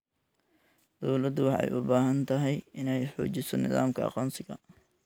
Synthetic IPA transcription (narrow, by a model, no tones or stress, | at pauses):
d̪̥ɔwlɐd̪ʊwɑħɑ̰jʔʊbaːɦɐnt̪ʰɐɦɛjɪnɛjħṵːt͡ʃɪsɔnɪ̰ða̰ːmkʰɐ̰ɑ̰qɔːnsɪɣɐ̰